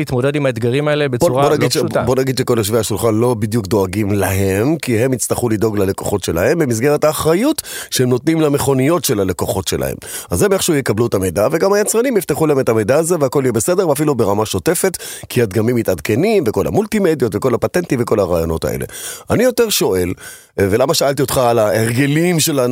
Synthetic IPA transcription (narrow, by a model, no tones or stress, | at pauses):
it̪modedimaet̪ɡaʁimaelebet͡suabonaiʃbo̞naɡid̪ʃeko̞lheʃveaʃulχanlo̞bid̪jukd̪o̞aɡimlaɦe̞mkihe̞mit͡staχulido̞ɡlale̞ko̞̰χo̞tʃe̞la̰he̞mbemizɡe̞ʁetaːχʁajutʃeemno̞tnimlame̞χo̞nijo̞tʃe̞lale̞ko̞χo̞tʃelʔa̰hḛmazemeχʃujekabluetamejdaveɡamajat͡sʁanimjift̪eχulaemetamejdaːzeveako̞lijebese̞de̞ʁveafilubeʁamaʃo̞te̞fe̞tkʰiad̪ɡamimːitadkenimveko̞la̰mult̪imed̪jo̞tveko̞lapate̞ntimveko̞laʁaːjo̞̰no̞ta̰ʔḛlḛanijo̞teʁʃo̞ʔe̞l | velamaʃaaltio̞t̪χaːlaeʁɡe̞limʃelan